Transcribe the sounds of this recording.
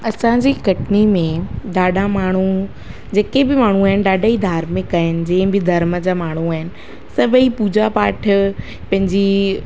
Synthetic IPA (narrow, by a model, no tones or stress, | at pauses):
ɐsãd͡ʑiːkɐʈʰɪnimẽɗaːɗʱãmaːɳ̤̃u | d͡ʑeːkebɪmaːɳ̤̃ũaːɦɪnɪɗaːɖʱaːid̪ʱaːɾmẽkɐɪnɪ̆d͡ʑɛ̃ːɪ̃bɪd̪ʱɐɾməd͡ʑaːmaːɳ̤̃uaːɦɪnɪ̆ | sɐbʱipuːd͡ʑapaːʈʰ | pɐ̃ɦɪ̃ɲd͡ʑi